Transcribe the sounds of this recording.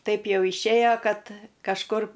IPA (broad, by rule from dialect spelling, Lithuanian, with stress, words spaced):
ˈtɐɪp ˈjɛʊ ɪʃʲˈeːjoː ˈkɐt kɐʃˈkʊr